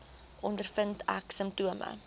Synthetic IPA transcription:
ʔɔndərfəntʰæ̰ksəmptuəmə̰

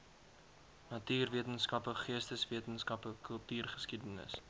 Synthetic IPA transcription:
nɐtyːrviətənskɐpəχiəstəsviətənskɐpəkʰəlˠtyːrχə̥skidənə̰s

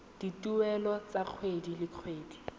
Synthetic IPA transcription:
d̥itʼuɛlɔt͡saq͡χʰwedilɪq͡χʰweːdi

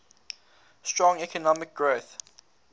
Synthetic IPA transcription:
stɹɔ̃ŋɛkʰɔnɔmɪk̚ɡ̥ɹoθ

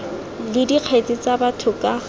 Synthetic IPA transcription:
lɪdiq͡χʰet͡sʼɪt͡sabatʰʊkʼa

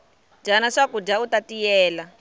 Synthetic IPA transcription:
d͡ʒanaʂakud͡ʒautatijɛːla

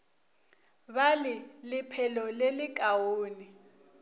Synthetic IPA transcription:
balɪlɪpʰɛlɔlelɪk̬ʼawoːni

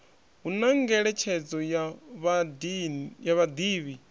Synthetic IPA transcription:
ɦunaŋɡɛɺɛt͡ʃʰɛd͡zɔjaβ | jaβad̪iːβi

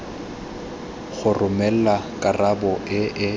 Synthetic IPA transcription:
χʊrʊmɛl̩lakʼarabɔʔɪʔɪ

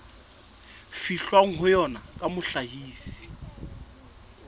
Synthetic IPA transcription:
fiɬwaŋ̩ɦʊjɔnakʼamʊɬaɦiːsi̥

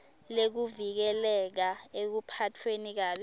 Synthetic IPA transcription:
lek̬uvik̬ɛlɛk̬aek̬upʰatʰwenik̬aːɓɛ

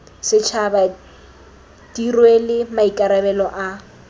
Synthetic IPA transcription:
sɪt͡ʃʰaba | tirwelɪmaikʼaɾabɛlɔʔa

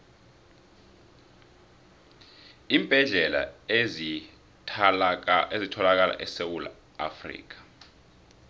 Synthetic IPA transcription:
iːmbʼʱɛɮɛla̰ | ezitʰɔlak̬ala̰ʔɛsewula̰ | a̰frḭːk̬ḁ

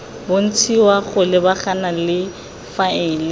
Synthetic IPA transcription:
bon̩t͡sʰiwaχʊlɪbaχanalɪ | faɪːlɪ

